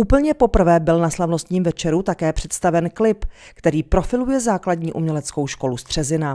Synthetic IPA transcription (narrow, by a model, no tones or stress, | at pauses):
ʔupl̩ɲɛpo̞pr̩vɛːbɪlnaslavno̞st̪ɲiːmvɛt͡ʃɛɾut̪akɛːpr̝̥ɛt̪st̪avɛnklɪpkt̪ɛɾiːpɾo̞fɪlujɛzaːkladɲiːʔumɲɛlɛt͡sko̞wʃko̞lust̪r̝̥ɛzɪna